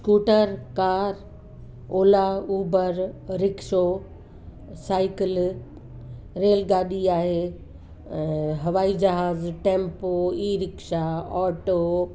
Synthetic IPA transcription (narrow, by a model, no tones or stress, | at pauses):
skuːʈəɾkaːɾ | oːlauːbəɾɾɪkʃo | saːɪkɪl | ɾeːlɡaːɗiaːɦẽː | ɦɐʋaːid͡ʑɐɦaːzʈẽːmpoiːɾɪkʃaɔːʈoː